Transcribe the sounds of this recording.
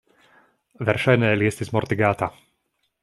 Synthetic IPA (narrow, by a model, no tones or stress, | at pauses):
ʋɛɾʃajnɛːlɪɛst̪izmɔɾt̪iɡaːt̪a